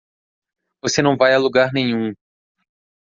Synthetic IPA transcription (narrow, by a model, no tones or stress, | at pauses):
vosenɐ̃w̃vajaluɡaɾnẽɲ̃ũ